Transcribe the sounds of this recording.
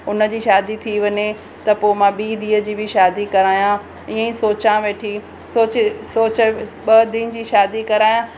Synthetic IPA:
ʊnə̆d͡ʑiːʃaːd̪it̪ʰiʋɐɲe | t̪ɐpomãɓiːd̪iːə̆d͡ʑiːbɪʃaːd̪ikɐɾaːjã | ɪːə̃ĩsoːt͡ɕãʋeːʈʰi | soːt͡ɕɪsoːt͡ɕəɓɐd̪in̆d͡ʑiːʃaːd̪ikɐɾaːjã

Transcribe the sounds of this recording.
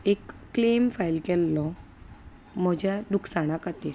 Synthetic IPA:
ekːlemfajlkɛlːɔ | m̤ɔd͡ʑjaɖuksaɽ̃akat̪e

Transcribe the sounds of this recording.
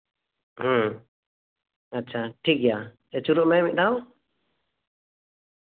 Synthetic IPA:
h̩ | at͡ʃʰaʈʰiɡja | ɛt͡ʃuɾɔʔmɛmiʔd̪aw

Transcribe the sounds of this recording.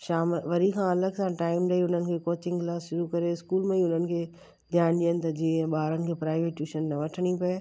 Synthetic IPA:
ʃaːmʋɐɾikʰãɐləɡsãːʈaːɪmɗɐiʊn̤ənɪ̆kʰeːkoːt͡ɕɪ̃ŋɡlaːsʃʊɾukɐɾeɪskuːlmẽiʊn̤ənɪ̆kʰe | d̪ʱijaːɽ̃ɗiənɪ̆t̪ɐd͡ʑĩːɓaːɾənɪ̆kʰeːpɾaːɪʋeːʈjuːʃənːɐʋɐʈʰəɽ̃ipɐe

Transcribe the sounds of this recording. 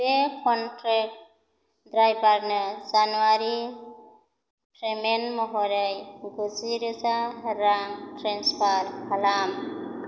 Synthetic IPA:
ekʰɔntɾek̚ | dɾajbaɾnɯzanuaɾi | pɾemenmɔɦɔɾajɡuziɾɯzaɾaŋtɾenspʰaɾkalam

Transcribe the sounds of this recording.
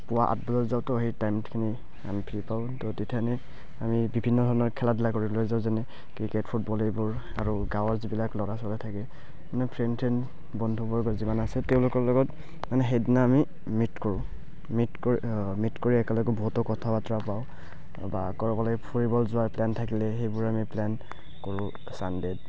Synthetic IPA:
pʊwaʔa̰t̚bɔzɔzaʊtɔɦejtajmtkʰini | a̰mipʰiɹipaʊ̃tɔtetʰianɛ | amibibʱinːɔdʱɔɹɔnɔɹkʰɛladilakoɹilojzaʊzanɛ | kɹiketpʰut̚bɔlɛbʊɹ | aɹuɡawɔɹzibilaklɔɹasɔlɛtʰakɛ | manɛpʰɹɛntʰɹɛn | bɔndʱubɔɹɡɔzimanasɛtɛʊ̃lʊkɔɹlɔɡɔt | manɛɦejdinaːmi | mitkɔɹʊ̃ | mitk | mitkoɹiɛkɛlɔɡɛbɔɦutɔkɔtʰabatɔɹapaʊ | ba̰kɔɹɔbɔlɔɡpʰuɹibɔlzʊwaɹplɛntʰakilɛxejbʊɹamiplɛn | kɔɹʊ̃ | sandɛd̚

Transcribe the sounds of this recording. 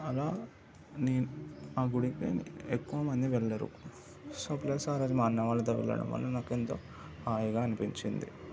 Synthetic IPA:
ɐlaː | neːnuaːɡuɽipḛn̰ekːuʋɐmɐnd̪iʋɛɭːɐɾṵ | sɐplɐjsaːɾaːd͡ʒ̪imaːnːɐʋaːlːɐt̪oːʋɛ̰lːɐ̰ɽɐ̰mʋɐ̰lːɐnaːkent̪o̞̰ː | aːjɐɡaːɐnipiɲt͡ʃind̪ḭ

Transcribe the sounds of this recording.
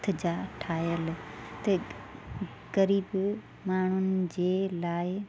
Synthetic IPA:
t̪ʰɪd͡ʑaːʈʰaːjəlt̪ɐ | ɡɐɾiːb | maːɳ̤ʊnɪ̆d͡ʑeːlaːɪ

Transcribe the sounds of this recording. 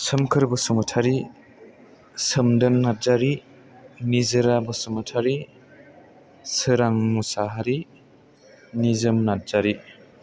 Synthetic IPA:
sɯmkʰɯɾbɯsumɯtʰaɾi | səmdɯnːat̚zaɾi | nizɯɾabɯsumɯtʰaɾi | sɯɾaŋmusaɦaɾi | nizɯmnat̚z̥aɾi

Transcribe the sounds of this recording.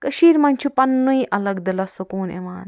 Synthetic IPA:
kɐʃiːɾmɐnʲt͡ʃʰupɐnːuiʔʔɐlɐɡd̪ɐlɐsukuːnḛʋaːn

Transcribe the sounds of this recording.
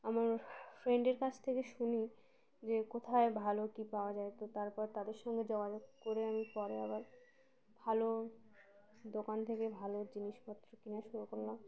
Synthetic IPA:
amaɾfɾeɳɖeɾkat͡ɕʰt̪ʰekeʃuni | d͡ʑekot̪ʰaebʱalokipaoad͡ʑaet̪ot̪aɾpɔɾt̪ad̪eɾʃɔŋɡed͡ʑoɡad͡ʑoɡkoɾeamipɔɾeabaɾ | bʱalo | d̪okant̪ʰekebʱalod͡ʑiniʃmat̪ːɾokinaʃuɾukoɾlam

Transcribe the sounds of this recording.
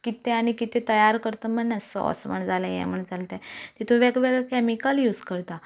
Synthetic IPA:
kit̪eaɽ̃ikit̪ẽt̪əjaɾkəɾt̪əməɳːasɔ̰sməɳd͡zalajɛ̰̃m̤əɳd͡zalt̪ɛ̃t̪it̪ʰõʋeɡʋeɡɭɛkɛmikaljuːd͡zkəɾt̪a

